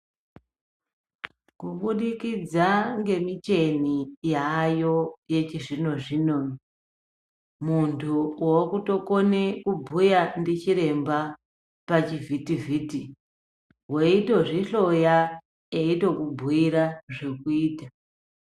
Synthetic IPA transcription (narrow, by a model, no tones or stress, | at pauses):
kuɓuɗikid͡zaŋɡe̞mit͡ʃe̞nijajo̞je̞t͡ʃiʐino̞ʐino̞n | muntʰuwokuto̞ko̞ne̞kubʱujandit͡ʃiɾe̞mba | pat͡ʃivʱitivʱiːti | ɦwoito̞ʐiɬo̞ja | eito̞kubʱuiɾaʐe̞kuiːta